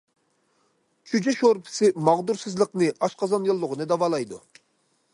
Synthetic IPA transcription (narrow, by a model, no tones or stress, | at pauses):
kʲʰyd͡ʒɛʃoɾpʰɪ̥sɪmɑʁd̪uɾsɨzlˠəqnɨʔɑʃqɑzɑnjolˠːʊʁənɨd̪ɑwɑːlˠɑjd̪ṵ